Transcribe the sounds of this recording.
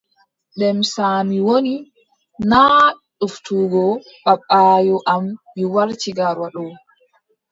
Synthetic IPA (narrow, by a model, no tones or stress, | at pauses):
ɗɛmsaːmiwoni | naː | ɗuftuːɡɔ | ɓaɓaːjɔʔamː | iwaɾt͡ʃiɡaɾwaɗɔw